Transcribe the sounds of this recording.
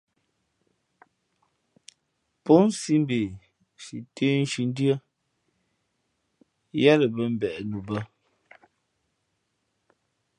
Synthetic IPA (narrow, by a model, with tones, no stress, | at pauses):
po˦n˦si˦m˦be˨ | ʃi˨te˦n˦ʃi˨n˦dɰə˦ | ja˦lə˨bə˦m̩˦bɛ˨nu˨bə˦